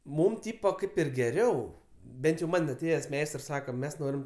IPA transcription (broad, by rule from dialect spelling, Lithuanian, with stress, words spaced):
ˈmuːm ˈtʲiːpoː ˈkɐɪp ɪr ɡʲɛˈrʲɛʊ ˈbʲɛnt jɛʊ ˈmɐnʲ ɐˈtʲeːjɛs ˈmʲɛɪstrs ˈsɑːkɐ ˈmʲɛs ˈnoːrʲɪm